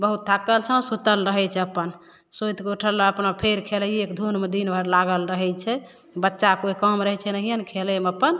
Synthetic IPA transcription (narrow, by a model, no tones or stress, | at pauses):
bəɦut̪̚t̪ʰakəlt͡ʃʰə̃sut̪əlɾəɦɛt͡ʃʰɛəpːən | sot̪keuʈʰəlaəpnapʰeɾkʰeləekd̪ʱunmed̪inbʱəɾlaɡəlɾəɦɛjt͡ʃʰɛ | bətːʃakoikəmɾəɦɛt͡ʃʰɛnəɦijənkʰeleməpːən